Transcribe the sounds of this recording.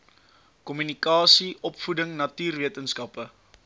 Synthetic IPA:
kɔmynikɑːsiʔɔpfudəŋnɐtyːrviətənskɐpə

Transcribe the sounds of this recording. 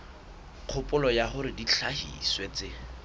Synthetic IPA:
q͡χʰʊpʼʊlɔjaχʊɾɪdit͡ɬʰahḭswet͡sɪ

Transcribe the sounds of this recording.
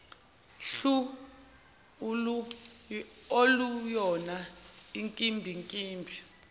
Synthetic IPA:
ɬu | olujɔnaiŋkʼimbʱiŋkʼiːmbʱi

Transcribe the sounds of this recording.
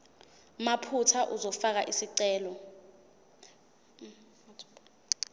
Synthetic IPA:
mapʰutʰaʔuzɔfak̬aʔisiǀɛːlɔ

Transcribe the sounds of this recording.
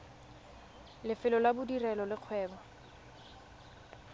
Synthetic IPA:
lɪfɪlɔlabʊdirɛlɔlɪq͡χʰwɛːbɔ

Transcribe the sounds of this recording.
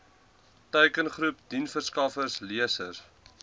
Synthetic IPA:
tœɥkənχɾup̚dinfərskɐfərsliəsər

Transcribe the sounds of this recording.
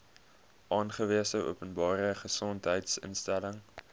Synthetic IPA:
ʔɑːnχəviəsəʔṵpənbɑːɾəχəsɔntɦəjtsə̰nstæləŋ

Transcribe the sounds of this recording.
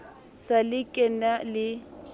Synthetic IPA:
salɪkʼɛnalɪ

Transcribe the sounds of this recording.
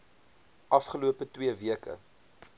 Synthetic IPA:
ʔɐfχəluəpətwiəviəkə̰

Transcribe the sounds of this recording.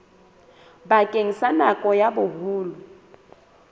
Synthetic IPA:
bakʼeŋ̩sanakʼɔjabʊɦuːlʊ

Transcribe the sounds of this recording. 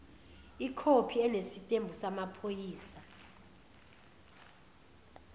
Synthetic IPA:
ikʰopʰiɛnesitʼembʱusamapʰojiːsa

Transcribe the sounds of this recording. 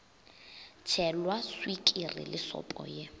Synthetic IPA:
t͡ʃʰɛlwaswikʼirɪ̰lɪsɔ̰pʼɔ̰je

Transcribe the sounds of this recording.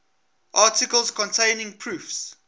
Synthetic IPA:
ʔɑːˑtɪkəlˠskʰɔ̃ntʰẽɪnɪ̃ŋpʰɹuːfs

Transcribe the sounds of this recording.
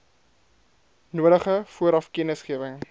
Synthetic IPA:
nuəɾəχəfuəɾɐfkɛnəsχiəvəŋ

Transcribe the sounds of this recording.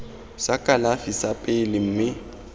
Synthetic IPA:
sakʼalafisapʼelɪm̩ːmɪ

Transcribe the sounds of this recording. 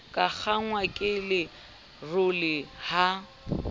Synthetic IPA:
kʼak͡xʰaŋwakʼɪlɪ | rʊlɪha

